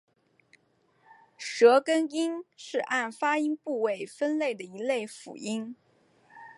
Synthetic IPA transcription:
ʂɤ˧˥kə˥ni˥nʂɻ̩˥˧ʔa˥˩nfa˥i˥ŋpu˥˩we˥˩ɪfə˥nle˥˩ɪd̪ə˩i˧˥le˥˩ɪfṵ˨˩i˥n

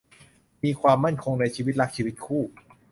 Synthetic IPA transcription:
miː˧kʰwaː˧mːa˥˩nkʰo˧ŋna˧jt͡ɕʰiː˧wi˦˥t̪̚ɾa˦˥k̚t͡ɕʰiː˧wi˦˥t̪̚kʰuː˥˩

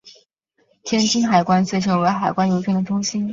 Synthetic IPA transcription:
t̪ʰjɛ˥nt͡ɕi˥nxa˨˩ɪkwa˥nt͡sʰe˥˩ɪʈ͡ʂʰɤ˧˥ŋwe˧˥ɪxa˨˩ɪkwa˥njo˧˥ʊt͡ɕʰɥɛ˥nd̪ə˩ʈ͡ʂʊ˥ŋɕi˥n

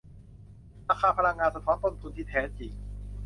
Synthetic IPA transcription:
ɾaː˧kʰaː˧pʰa˧la˧ŋːaː˧nsa˧t̪ʰɔː˦˥nt̪o˧nt̪ʰu˧nt̪ʰiː˧˩t̪ʰɛː˨˦˥t͡ɕi˨˩ŋ

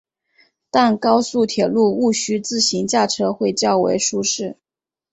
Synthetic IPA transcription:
t̪a˥˩nkɑ˥ʊsu˥˩t̪ʰjɛ˨˩lu˥˧u˥˩ɕy˥t͡sɹ̩˥˩ɕi˧˥ŋt͡ɕja˥˩ʈ͡ʂʰɤ˥xwe˥˧ɪt͡ɕjɑ˥˩ʊwḛ˧˥ɪʂu˥ʂɻ̩˥˩

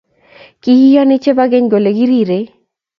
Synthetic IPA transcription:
ki˦i˦jɔ˦nɪ˦t͡ʃe˦ba˦ɡɛ˦ɲɡo˨le˨ɡi˦ɾi˦˨ɾe˨˦

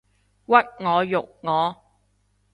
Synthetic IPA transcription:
wɐ˥t̚ŋɔː˨˧jʊ˨k̚ŋɔː˨˦

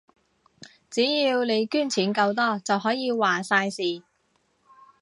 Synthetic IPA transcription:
t͡siː˨˥jiː˧wne˨˧jkyː˥nt͡sʰiː˨˥nkɐ˧wt̪ɔː˥t͡sɐ˨wɦɔː˨˥jiː˨˧waː˨˩saː˧jsiː˨˩

